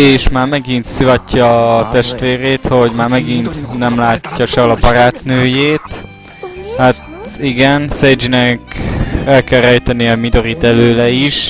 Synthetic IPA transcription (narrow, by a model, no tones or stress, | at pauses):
eːʃmaːrmɛɡint̪sivɒcːɒt̪ɛʃt̪ʋeːɾeːt̪ho̞ɟmaːrmɛɡint̪nɛmlaːcːɒʃɛlɒbɒɾaːt̪nøːjeːt̪ | hat̪iɡɛnsɛjd͡ʒinɛkɛlkɛlrɛjt̪ɛniɛmid̪o̞ɾit̪ɛløːlɛiʃ